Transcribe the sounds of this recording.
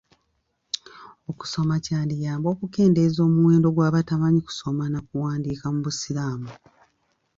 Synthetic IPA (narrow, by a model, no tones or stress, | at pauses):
o̞ku̥so̞macaːndijaːmbo̞ːkuke̞ːnde̞zo̞ːmuwe̞ːndo̞ɡwaːβatamaɲiku̥so̞manakuwaːndiːkamuβusilaːmu